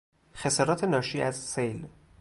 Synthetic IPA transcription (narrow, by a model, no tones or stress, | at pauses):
xe̞sɒːɾɒːt̪ʰe̞nɒːʃiːæzsejl